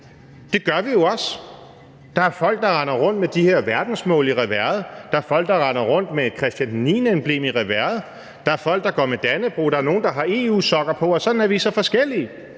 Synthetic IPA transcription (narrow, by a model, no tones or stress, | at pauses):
d̥e̝ɡ̥ɶɐʋijo̝ɒ̽s | d̥ɑ̈æɐfɒ̽l̰ɡ̥̚d̥ɑ̈ʁɑ̈nɐʁɔ̽n̰d̥med̥ihe̝ɐʋæɐd̥n̩smɔ̰̽ːliʁɛʋæɐð̩ˠd̥ɑ̈æɐfɒ̽l̰ɡ̥̚d̥ɑ̈ʁɑ̈ɪnɐʁɔ̽n̰d̥meed̥kʰʁɛsd̥jænːiːnəemb̥le̝̰ːmiʁɛʋæɐ̰ð̩ˠ | d̥ɑ̈æɐfɒ̽l̰ɡ̥̚d̥ɑ̈ɡ̥ɒ̰ːmed̥ænəb̥ʁṵːd̥ɑ̈æɐno̝ːn̩d̥ɑ̈ɦɑ̈e̝ṵːsɒ̽ɡ̥ɐpʰɒ̽ɒ̽sɒ̽d̥n̩æɐʋiːsɒfɒ̽sɡ̥el̰i